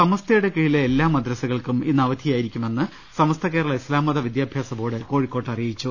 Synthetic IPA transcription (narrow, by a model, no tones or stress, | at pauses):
sɐmɐst̪ʰɐjuɽe̞kiɻileːlːaːmɐd̪ɾɐsɐɣɐɭkuminːɐʋɐd̪ʱijaːjiɾikʲːume̞nːɨ | sɐmɐst̪ʰɐkeːɾɐɭɐislaːmːɐðɐʋid̪jaːbʱjaːsɐbo̞ːɽɨko̞ːɻikːoːʈːɐrijit͡ɕːu